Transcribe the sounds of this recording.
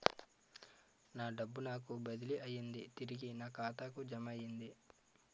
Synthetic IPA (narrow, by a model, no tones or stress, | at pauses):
naːɖɐbːunaːkubɐd̪iliʔɐjːind̪it̪iɾiɡinaːkaːt̪aːkud͡ʒɐmɐjind̪i